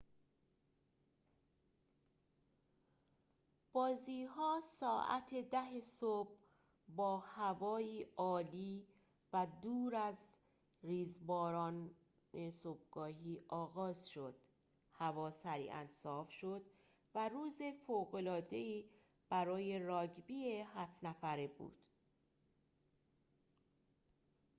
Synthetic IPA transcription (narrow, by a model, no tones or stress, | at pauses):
b̥ɒːziːɦɒːsɒːʔæ̰t̪ʰe̞d̪æɦesob̥ | bɒːhævɒːiːʔɒːliː | væd̪uːɾæz | riːzbɒːɾɒːn | esob̚ɡɒːɦiːʔɒːɣɒːzʃo̞d̪̥ | hævɒːsæɾḭːʔæ̰nsɒːfʃo̞d̪̥ | væɾuːze̞foːɣo̞lɒːd̪e̞iː | b̥æɾɒːje̞rɒːɟbiːeɦæfnæfæɾebṵːd̪̥